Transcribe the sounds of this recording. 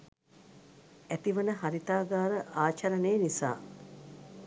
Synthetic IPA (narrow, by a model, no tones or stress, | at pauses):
æt̪iʋənəɦaɾit̪aːɡaːɾəʔaːt͡ʃɐɾəneːnisa̰ː